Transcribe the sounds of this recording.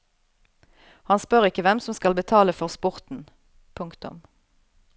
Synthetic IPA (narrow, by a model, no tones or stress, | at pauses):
hɑnspœʁɪkːəʋɛmsɔmskɑlbət̪ʰɑːləfɔʁspʊʁt̪n̩ | pʰʉŋkt̪ʊ̰m